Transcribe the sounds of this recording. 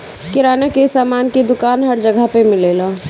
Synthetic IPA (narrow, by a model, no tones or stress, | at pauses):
kɪɾaːnekesaːmaːnked̪ʊkaːnɦəɾd͡ʒəɡʱəpemɪleːla